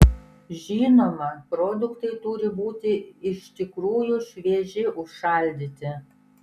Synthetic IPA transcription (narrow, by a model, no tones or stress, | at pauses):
ʒʲiːnoːmɐpɾɔd̪ʊkt̪ɐɪt̪ʊɾʲɪbuːt̪ʲɪɪʃʲt̪ʲɪkɾuːjʊʃʲʋʲeɛʒʲɪʔʊʃʃɑˑlʲd̪ʲiːt̪ʲɪ